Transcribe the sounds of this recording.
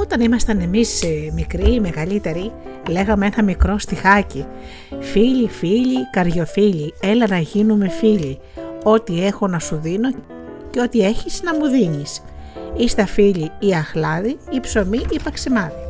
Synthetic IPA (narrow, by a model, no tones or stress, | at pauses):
o̞t̪ɐnimɐst̪ɐne̞mismikɾime̞ɣɐlit̪e̞ɾi | le̞ɣɐmee̞nɐmikɾo̞st̪ixɐci | fiʎifiʎikɐɾʝo̞fiʎie̞lenɐʝinume̞fiʎi | o̞t̪ie̞xo̞nɐsuðino̞ | ceo̞t̪ie̞çisnɐmuðinis | ist̪ɐfiʎiiɐxlɐðiipso̞miʔipɐksimɐni